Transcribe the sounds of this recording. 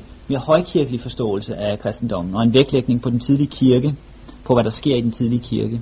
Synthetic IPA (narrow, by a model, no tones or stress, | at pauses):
me̝ɐhɒ̽ɪkʰiɐɡ̥əlifɒ̽sd̥ɔ̰̽ːl̩səʔækʰʁɛsd̥n̩d̥ɒ̽m̰n̩ɒ̽e̝nʋeɡ̥leɡ̥̚ne̝ŋpʰɒ̽d̥ent͡sʰiðˠliəkʰiɐɡ̥ə | pʰɒ̽ʋæɾɑ̈sɡ̥e̝ɐ̰id̥ent͡sʰiðˠliəkʰiɐɡ̥ə